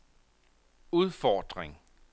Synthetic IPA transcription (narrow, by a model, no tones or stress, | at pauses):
uð̞ˠfɒːd̥ʁeŋ